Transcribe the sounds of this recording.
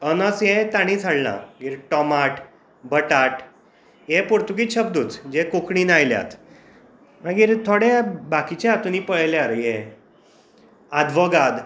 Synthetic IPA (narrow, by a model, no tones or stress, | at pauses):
ənəsjet̪aɽ̃ĩd͡zʰʱaɽna̰mə̃ɡiːɾʈɔmaʈ | bəʈaʈ | jepuɾt̪uɡit̪ɕəb̚d̪uːt͡sd͡ʑekokɳiːnajlja̰t̪ | mãɡiːɾt̪ʰoɽebakit͡ɕeat̪uniːpəɭljaɾje | ad̪ʋəɡad̪